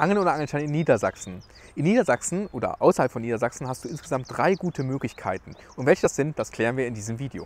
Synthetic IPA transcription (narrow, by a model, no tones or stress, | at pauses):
ʔaŋəl̩noːdɐʔaŋl̩nʃtaɪnɪnːiːdɐza̰ksn̩ | ʔɪnːiːdɐzaksn̩ʔoːdɐ̰ʔʔa̰ʊsɐhalpfɔnːiːdɐzaksn̩ɦast̚d̥uːʔɪnsɡ̥əzamt̚d̥ʁaɪɡuːtʰəmøːklɪçkʰa̰ɪtn̩ | ʔʊntv̥ɛlçəd̥asz̥ɪnt̚d̥askʰl̥ɛːʁənviːɐɪndiːzəmviːdeo̰ː